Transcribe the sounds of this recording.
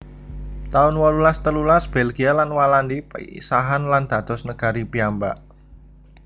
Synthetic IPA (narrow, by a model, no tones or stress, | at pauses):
t̪aʊnwɔlulast̪əlulasb̥ɛlɡ̥ialanwalandipə̰ḭsaɦanland̪̥a̤d̪̥ɔsnəɡ̥a̤ɾipiamba̰ʔ